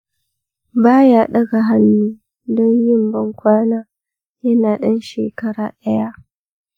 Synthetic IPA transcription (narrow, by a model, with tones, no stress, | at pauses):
baː˦jaː˨ɗɐ˦ɡa˨ɦa˦nːuː˦ | dɔ˦ɲjɪ˦˨mbɐ˦ŋkʷaː˦naː˦ | jɐ˦naː˨ɗɐ˦nʃḛː˨kɐ˦ɽa̰ː˨ɗɐ˦ja˦ʔ